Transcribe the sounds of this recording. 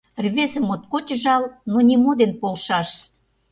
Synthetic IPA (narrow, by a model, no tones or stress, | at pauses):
rβezəmot̪̚kot͡ɕəʒɑlnonʲimod̪enpolʃɑʃ